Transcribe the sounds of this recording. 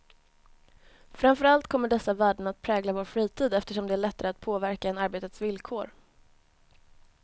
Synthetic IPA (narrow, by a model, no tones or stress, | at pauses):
fɾamfœɾalt̪kʰɔmːəɖɛsːavæːɖəɳat̪̚pʰɾɛːɡlavoːɾfɾiːt̪ʰiːd̪ɛft̪əʂɔmd̪ɛæːɭɛt̪ːaɾəat̪̚pʰoːvæɾkaɛnaɾbeːt̪ət̪svɪlkʰoːɾ